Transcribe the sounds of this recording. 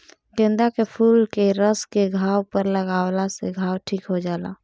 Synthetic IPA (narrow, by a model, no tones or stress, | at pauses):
ɡẽnd̪akepʰuːlkeɾəskeɡʱaːwpəɾləɡaːwlasḛɡʱaːwʈʰiːkɦod͡ʒaːla̰